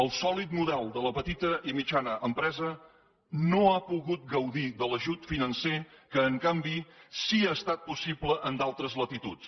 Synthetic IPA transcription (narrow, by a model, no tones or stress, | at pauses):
əlˠsɔlit̪muðɛlˠd̪ələpət̪it̪əʔimid͡ʒanəʔəmpɾɛzə | noapuɣut̪̚ɡəwðiðələʒut̪finənsekəːŋkambisiaːst̪at̪̚pusibləʔənd̪alˠt̪ɾəzlət̪it̪ut͡s